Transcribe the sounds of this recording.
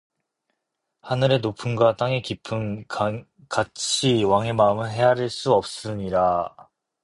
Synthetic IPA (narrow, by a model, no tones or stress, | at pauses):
hanɯɾe̞nopʰɯnɡwat͈aŋe̞kipʰɯn | kat͡ɕʰiwaŋe̞maɯmɯɦe̞ɦaɾeɭs͈uʌp̚s͈ɯɲiɾa